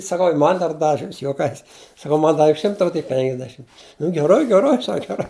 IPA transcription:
sɐˈkɐʊ ɪr ˈmɐn dɐr ˈdɑːʋʲɪ ˈɐʃ juɔˈkɐɪs sɐˈkɐʊ ˈmɐn ˈdɑːʋʲɪ ˈʃʲɪmtɐ oː tʲɪk ˈpʲɛŋɡdʲɛʃʲɪm nʊ ɡʲɛˈrɐɪ ɡʲɛˈrɐɪ ˈsɐk ɡʲɛˈrɐɪ

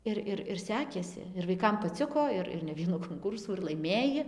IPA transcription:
ˈɪr ɪr ɪr ˈsʲæːkʲeːsʲɪ ɪr ʋɐɪˈkɐm pɐˈt͡sʲɪkoː ˈɪr ɪr nʲɛ ˈʋʲiɛnuː koːŋˈkuːrsuː ɪr lˠɐɪˈmʲeːjɪ

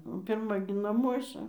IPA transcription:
oː pʲɪrˈmɐ ɡʲɪ nɐˈmuɔsɐ

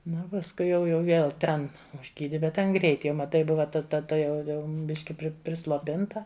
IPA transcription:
ˈnʊ oː pɐsˈkʊɪ jɛʊ jɛʊ ˈʋʲeːlˠ ˈtʲɛn ʊʒʲˈɡʲiːdʲɪ bʲɛt ˈtʲɛn ˈɡrʲɛɪt ˈjɛʊ mɐˈtɐɪ ˈbʊʋɐ tɐ ˈtɐ tʊˈjɛʊ ˈbʲɪʃʲkʲɪ pʲrʲɪslˠoːˈpʲɪntɐ

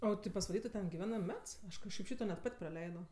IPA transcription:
ˈoː tɐɪ pɐsʋɐˈlʲiː tʊ tʲɛn ɡʲɪˈʋʲæːnɜ ˈmʲɛts ˈɐʃ kɐʃˈkɐɪp ˈʃʲiːtoː nʲɛt ˈpɐtʲ prɐˈlʲɛɪdoː

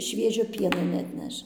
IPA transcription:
ˈʃʲʋʲiɛʒʲoː ˈpʲiɛnoː nʲɛɐtʲˈnʲɛʃ

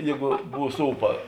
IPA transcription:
ˈjeːɡʊ ˈbuːs ˈuːpɐ

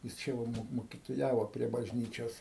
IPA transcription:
jɪs ˈt͡ʃʲɛ ʋɐ ˈmoːk moːkʲɪtoːˈjæːʋoː pʲrʲiɛ bɐʒʲˈnʲiːt͡ʃʲoːs

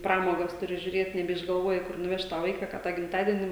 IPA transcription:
ˈprɑːmoːɡɐs tʊˈrʲɪ ʒʲʊˈrʲeːt nʲɛbʲɛɪʒɡɐlˠˈʋoːjɪ ˈkʊr nʊˈʋʲɛʃt tɑː ˈʋɐɪkɐ kɐ tɑː ɡʲɪmtɐdʲiɛnʲɪ

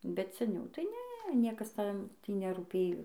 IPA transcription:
bʲɛt sʲɛˈnʲɛʊ tɐɪ ˈnʲɛ ˈnʲiɛkɐs ˈtʲɛn ˈtʲiː nʲɛruːˈpʲeːjoː

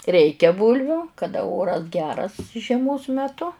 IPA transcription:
ˈrʲɛɪkʲɛ ˈbuːlʲʋʲʊ kɐˈdɐ ˈoːrɐs ˈɡʲæːrɐs ʒʲiɛˈmoːs mʲɛˈtʊ

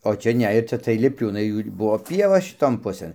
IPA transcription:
oː ˈt͡ʃʲɛ ˈnʲɛ ɪr ˈt͡ʃʲɛ tɐɪ lʲɪpʲˈlʲuːnɐɪ ˈjuː ɪr ˈbʊʋoː ˈpʲiɛʋɐ ʃʲɪˈtoːn ˈpʊsɘn

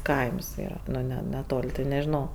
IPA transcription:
ˈkɐɪms ˈiːrɐ ˈnʲɛ nʲɛˈtoːlʲ tɐɪ nʲɛʒʲɪˈnɐʊ

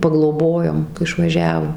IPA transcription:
pɐɡlˠoːˈboːjoːm ɪʃʋɐˈʒʲæːʋoː

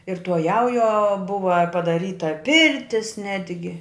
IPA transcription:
ɪr tuɔ ˈjɛʊjuɔ ˈbʊʋɐ pɐdɐˈrʲiːtɐ ˈpʲɪrʲtʲɪs ˈnʲæːdʲɡʲɪ

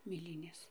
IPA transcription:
mʲeːˈlʲiːnʲeːs

